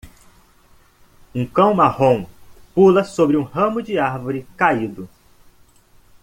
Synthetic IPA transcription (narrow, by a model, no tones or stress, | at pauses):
ũkɐ̃w̃mahõw̃pulɐsobɾɪũhɐ̃mʊd͡ʒɪaɾvoɾɪkaid̪ʊ